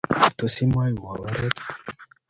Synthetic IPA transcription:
t̪o˨si˦m˦a˦ju˨wa˨wa˦ɾɛ˦t̪

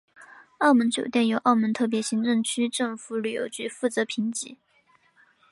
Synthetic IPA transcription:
ɑ˥˩ʊmə˧˥nt͡ɕjo˨˩ʊt̪jɛ˥˩njo˨˥ʊʔɑ˥˩ʊmə˧˥nt̪ʰɤ˥˩p̬jɛ˧˥ɕi˧˥ŋʈ͡ʂɤ˥˩ŋt͡ɕʰy˥ʈ͡ʂɤ˥˩ŋfu˧˥ly˨˩jo̰˧˥ʊt͡ɕy˥˧fu˥˩t͡sɤ˧˥pʰi˧˥ŋt͡ɕḭ˧˥

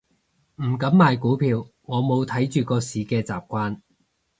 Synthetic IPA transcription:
m̩˨˩kɐ˨˥mːaː˨jkuː˨˥pʰiː˨˧wŋɔː˨˧mo˨˧wt̪ʰɐ˨˥jt͡ʃyː˨kɔː˧siː˨˧kɛː˧t͡sa̰ː˨p̚kʷaː˥n

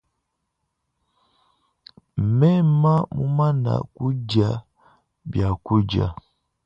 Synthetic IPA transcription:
m̩˨mɛ˦ma˦mu˦ma˦na̰˨ku˦d͡ʒa˦ | bja˨ku˦d͡ʒa̰˨

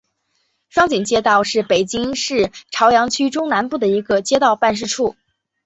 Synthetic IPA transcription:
ʂwɑ˥ŋt͡ɕi˨˩ŋt͡ɕjɛ˥t̪ɑ˥˧ʊʂɻ̩˥˩pe˨˩ɪt͡ɕi˥ŋʂɻ̩˥˩ʈ͡ʂʰɑ˧˥ʊjɑ˧˥ŋt͡ɕʰy˥ʈ͡ʂʊ˥ŋna˧˥npu˥˩d̪ə˩i˧˥ɡə˧t͡ɕjɛ˥t̪ɑ˥˧ʊpa˥˧nʂ̬ɻ̩˥˧ʈ͡ʂʰu˥˩

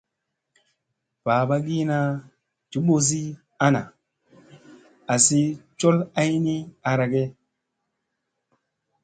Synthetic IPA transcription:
pa˨ba˦ɡi˦na˦ | d͡ʒu˨˦ɓo˨s̬i˦ | a˦na̰˨ | a˨si˦t͡ʃo˦la˦jni˦a˨ɾa˨ɡe˦

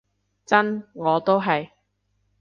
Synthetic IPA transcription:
t͡sɐ˥nŋɔː˨˧t̪o˥wɦɐ˨j

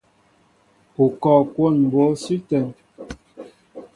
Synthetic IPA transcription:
pu˨kɔ˨kwo˦˨nm˨bo˨˦sʉ˦tɛ˨n

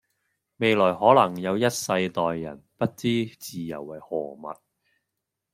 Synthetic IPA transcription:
me˨jlɔː˨˩jɦɔː˨˥lɐ˨˩ŋjɐ˨˧wjɐ˥t̚sɐ˧jt̪ɔː˨jːɐ̰˨˩npɐ˥t̚t͡siː˥t͡siː˨jɐ̰˨˩wːɐ˨˩jhɔː˨˩mɐ̰˨t̚

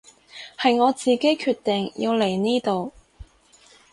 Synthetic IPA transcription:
hɐ˨jŋɔː˨˧t͡siː˨ke˥jkʰyː˧t̪ɪ˨ŋjḭ˧wle˨˩jniː˥t̪o˨w

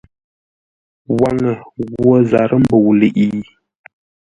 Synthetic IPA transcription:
wa˦ŋə˨ɣwo˦za˨ɾʔə˦m̩˦bo˨wle˨ʔi˨˦

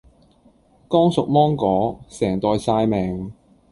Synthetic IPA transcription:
kɔː˥ŋsʊ˨k̚mɔː˥ŋkɔː˨˥sɛː˨˩ŋt̪ɔː˨˧jsaː˧jmɛː˨ŋ

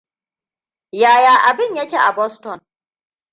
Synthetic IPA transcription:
jaː˨jaː˨ʔa˨bɪ˦ɲjɐ˦kʲeː˨ʔa˨bɔ˦stɔ˨n

